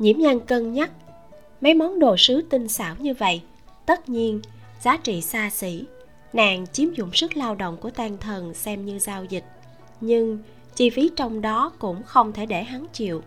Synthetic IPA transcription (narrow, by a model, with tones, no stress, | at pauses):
ɲḭ˧˩əmɲa˧ŋkə˧nɲa˦˥t̚ | ma˨˦jma˨˦wŋ͡mɗo̰˧˨sɨ˨˦t̪ï˧ŋ̟sa̰ː˧˩wɲɨ˧və̰˧˨j | t̪ə˦˥t̚ɲi˧ən | zaː˨˦t͡ɕḭ˧˨saː˧sḭ˧˩ | na̰ː˧˨ŋt͡ɕi˨˦əmzʊ̰˧˨ŋ͡msɨ˦˥k̚laː˧wɗo̰˧˨wŋ͡mku˧˩ət̪aː˧nt̪ʰə˨˩nsɛ˧mɲɨ˧zaː˧wzï˨˩k̟̚ | ɲɨ˧ŋ | t͡ɕi˧fi˨˦t͡ɕɔ˧wŋ͡mɗɔ˨˦kʊ̰˧˥ŋ͡mxə˧wŋ͡mt̪ʰe˧˩ɗe˧˩ɦa˨˦ŋt͡ɕḭ˧˨əw